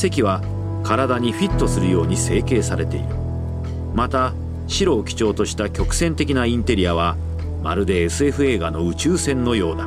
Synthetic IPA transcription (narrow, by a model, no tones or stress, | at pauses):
se̞kʲiβa | kaɾad̪aɲ̟iɸʲit̪ːo̞sɨɾɯ̟jo̞ːɲ̟ise̞ːke̞ːsaɾe̞t̪e̞̰ḭɾɯ̟ | mat̪a | ɕiɾo̞ːkʲi̥t͡ɕo̞ːt̪o̞ɕi̥t̪akʲo̞kɯ̟̥sẽ̞nt̪e̞kʲinaĩnt̪e̞ɾʲijaβ̞a | ma̰ɾɯ̟d̪e̞ːsɨe̞ɸɯ̟e̞ːɡano̞ɯ̟t͡ɕɨːsẽ̞nːo̞jo̞ːd̪a